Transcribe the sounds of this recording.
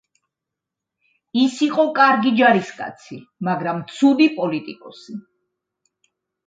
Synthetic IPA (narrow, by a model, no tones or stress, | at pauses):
isiqʼɔkʼaɾɡid͡ʒaɾiskʼa̰t̪sʰimaɡɾamt̪sʰud̪ipʼɔlit̪ʼikʼɔsi